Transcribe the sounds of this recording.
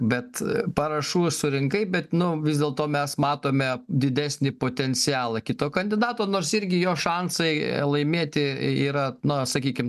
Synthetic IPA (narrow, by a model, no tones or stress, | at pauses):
bʲɛt̪pɐɾɐʃuːsʊɾʲɪŋkɐɪbʲɛt̪nʊʋʲɪzd̪ʲeːlˠt̪oːmʲɛsmɑːt̪oːmʲɛd̪ʲɪd̪ʲæːsʲnʲɪpoːt̪ʲɛnʲt͡sʲɪjæːlˠɐkʲɪt̪oːkɐnʲd̪ʲɪd̪ɑːt̪oːnoːrsɪɾʲɡʲɪjoːʃɑnsɐɪlˠɐɪmʲeːt̪ʲɪiːɾɐnʊsɐkʲiːkʲɪm